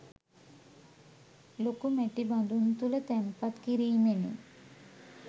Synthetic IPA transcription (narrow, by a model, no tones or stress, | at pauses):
lokumɛʈiband̪unt̪ulət̪ɛmpat̪kiɾiːmenḛ